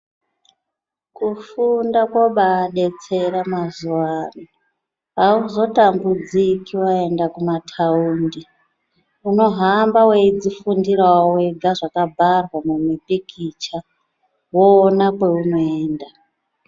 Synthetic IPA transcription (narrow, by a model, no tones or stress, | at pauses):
kufundakwoɓaːɗe̞t͡se̞ɾamazuwaːno | auzo̞tambud͡zikiwae̞ndakumatʰauːndi | uno̞ɦambaweid͡zifundiɾawweɡʱaʐakabʱarwamumipikʰit͡ʃa | woːnakwe̞uno̞eːnda